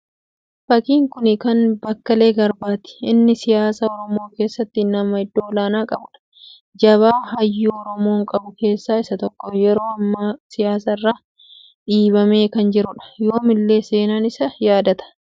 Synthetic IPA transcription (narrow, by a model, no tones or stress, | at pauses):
fɐkiːŋkʊnɪkɐnbɐkːɐle̞ːɡɐɾbaːt̪ɪ̥ɪnːɪsɪjaːsaɔɾɔmo̞ːke̞ːsːɐt̪ːɪnɐmɐɪd̪ːo̞ːlaːnaːkʼɐbʊᶑɐ̥ | d͡ʒɐβaːhɐjːuːɔɾɔmo̞ːŋkʼɐbʊke̞ːsːaːɪsɐt̪ɔkːɔjɛɾo̞ːɐmːaːsɪjaːsɐɪrːaː | ᶑiːbɐme̞ːkɐnd͡ʒɪɾʊᶑɐ̥jo̞ːmɪlːe̞ːse̞ːnaːnɪsɐjaːd̪ɐt̪ɐ̥